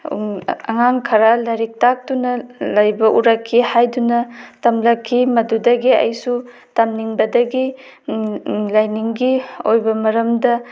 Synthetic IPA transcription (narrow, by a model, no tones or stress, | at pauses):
ɐ̰ŋaŋkʰɐɾalɐɾik̚tak̚tunɐlɐjbɐʔuɾɐkʰːihajdunɐtɐmlɐkʰːimɐdudɐɡiɐ̰jsu | tɐmniŋbɐdɐɡi | lajniŋɡiojbɐmɐɾɐmdɐ